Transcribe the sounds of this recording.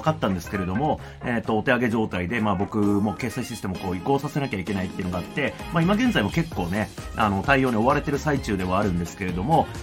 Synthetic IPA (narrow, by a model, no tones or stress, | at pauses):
kat̪ːãnd̪e̞sɨ̥ke̞ɾe̞d̪o̞mo̞ | eːt̪ːo̞ːt̪e̞aɡe̞ʑo̞ːt̪aid̪e̞maːbo̞kɯ̟mo̞ke̞ːsaiɕit̪eɕi̥t̪emoko̞ːiko̞ːsase̞nakʲaike̞nait̪ːeiɯ̟noɡaat̪ːe̞maimaɡẽ̞nzaimo̞ke̞kːo̞ːne̞a̰no̞t̪aijo̞ːɲ̟io̞βaɾe̞t̪e̞ɾɯ̟sait͡ɕɨːd̪e̞βaːɾɯ̟̃nd̪e̞sɨ̥ke̞ɾe̞d̪o̞mo̞